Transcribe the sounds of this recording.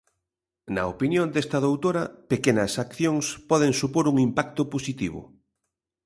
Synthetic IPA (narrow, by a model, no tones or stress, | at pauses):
nɐ̰opinjõnd̪est̪ɐðowt̪oɾɐpekenɐsakθjoŋspɔðeŋsupoɾuŋimpak̚t̪ʊposit̪iβ̞ʊ̰